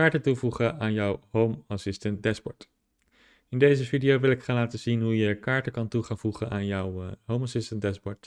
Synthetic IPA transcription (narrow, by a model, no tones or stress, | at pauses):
aːɹtətuvuχənaːnjɔwɦowmasɪstənt̚dɛsbɔɹt | ɪndejzəvidiowʋɪlɪkχaːnlaːtəzinɦujəkaːɹtəkɑntuχaːnvuχənaːnjɔwɦowmasɪstəndɛsbɔɹt